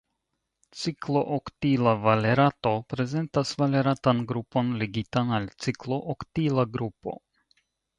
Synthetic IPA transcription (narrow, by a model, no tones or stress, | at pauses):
t͡siklo̞ʔoktilavaleɾato̞pɾe̞ze̞ntasvaleɾatanɡɾupo̞nleɡitanalt͡siklo̞ʔoktilaɡɾupo̞̰